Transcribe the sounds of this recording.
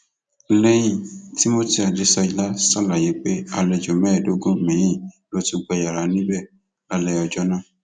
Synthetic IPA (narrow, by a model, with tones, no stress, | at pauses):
lɛ˦jĩ˦˨ti˦mo˦ti˧˦a˨de˨˧˦sa˧i˨˧la˦sa˦˨la˨je˨˦k͡pe˦a˧lɛ˧d͡ʒo˨mɛ̃ː˦˨do˦ɡũ˦˨mɛ̃˨˦jĩ˦˨ | lo˦tu˧ɡ͡bɛ˧ja˨ɾa˨˦nĩ˦bɛ˦˨ | a˧lɛ˧ɔ˨d͡ʒɔ˦nãː˦˨